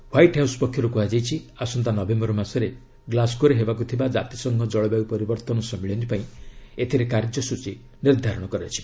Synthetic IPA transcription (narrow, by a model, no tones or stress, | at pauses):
wajʈɦawspɔkʰjɔɾukuɦad͡ʒajt͡ʃʰiasɔnt̪anɔbembɔɾɔmasɔɾe | ɡlaskoɾeɦebakut̪ʰibad͡ʒat̪isɔŋɡʱɔd͡ʒɔɭɔbaupɔɾibɔɾt̪ɔnɔsɔmiɭɔnd͡ʒipaĩet̪ʰiɾekaɾd͡ʒjɔsut͡ʃi | niɾd̪ʱaɾɔɽ̃ɔkɔɾeat͡ʃʰi̥